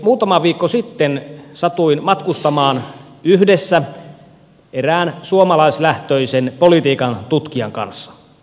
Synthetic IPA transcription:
muːt̪ɑmɑʋiːkːosit̪ːensɑt̪uinmɑt̪kust̪ɑmɑːn | yhdesːæ | eræːnsuomɑlɑislæht̪øisenpolit̪iːkɑnt̪ut̪kiɑŋkɑ̰nsːɑ̥

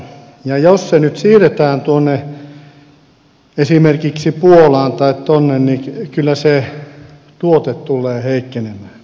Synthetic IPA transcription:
jɑjossenyt̪siːret̪æːnt̪uonːe | esimerkiksipuolɑːnt̪ɑit̪t̪onːennikylːˑæse | t̪uot̪et̪t̪ulːˑeːheikːenemæː

